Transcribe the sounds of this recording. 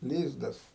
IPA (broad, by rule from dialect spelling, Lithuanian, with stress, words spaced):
ˈlʲiːzdɐs